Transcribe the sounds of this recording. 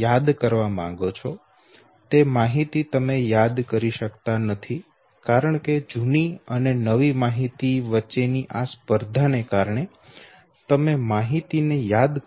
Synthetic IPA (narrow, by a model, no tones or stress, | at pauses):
jad̪kəɾʋamã̰ŋɡot͡ʃʰɔ | t̪emaɦit̪it̪əmejad̪kəɾiʃəkt̪anət̪ʰi | kaɾəɳ̃ked͡ʒuniənenəʋimaɦit̪iʋətːʃeniʔaspəɾd̪ʱanekaɾɳ̃e | t̪əmemaɦit̪inejad̪